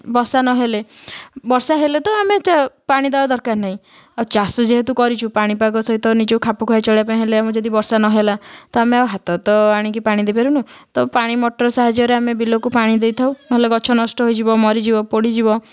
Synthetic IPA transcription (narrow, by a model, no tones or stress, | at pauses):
bɔɾsanɔɦelebɔɾsaɦelet̪ɔamet͡ʃapaɽ̃id̪abad̪ɔɾkaɾnaɦĩ | at͡ʃasɔd͡ʒeɦet̪ukɔɾit͡ʃʰupaɽ̃ipaɡɔsɔɦit̪ɔnid͡ʒekukʰapukʰɔat͡ʃɔɽeapaĩɦeleamɔ̃d͡ʒɔd̪ibɔɾsanɔɦelat̪ɔameawɦat̪ɔt̪ɔaɽ̃ikipaɽ̃ĩd̪ejpeɾunut̪ɔpaɽ̃imɔʈɔɾɔsaɦad͡ʒjɔɾeamebilokupaɽ̃id̪ejt̪ʰawnɔɦeleɡɔt͡ʃʰɔnɔsʈɔɦojd͡ʒibɔmɔɾid͡ʒibɔpoɽid͡ʒibɔ